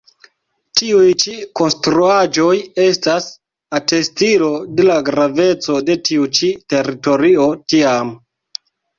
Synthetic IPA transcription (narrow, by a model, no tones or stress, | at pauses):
tiujt͡ʃiko̞nstɾuad͡ʒo̞je̞stas | ate̞stilo̞de̞laɡɾave̞t͡so̞de̞tʰiut͡ʃite̞ɾito̞ɾio̞tiam